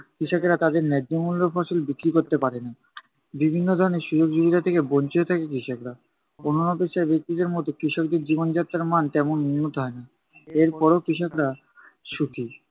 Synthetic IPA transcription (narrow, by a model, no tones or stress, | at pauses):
kɾiʃokeɾat̪ad̪eɾnɛd͡ʑd͡ʑomulːofɔʃolbikɾikoɾt̪epaɾena | bibʱinːod̪ʱɔɾoneɾʃud͡ʑoɡd͡ʑubiɾat̪ʰekebont͡ɕiot̪ʰakekɾiʃokɾa | ononɔpeʃaɾbek̚t̪id̪eɾmɔt̪okɾiʃok̚d̪eɾd͡ʑibond͡ʑat̪ːɾaɾmant̪ɛmonmiut̪ɦɔena | eɾpɔɾokɾiʃokɾa | ʃukʰi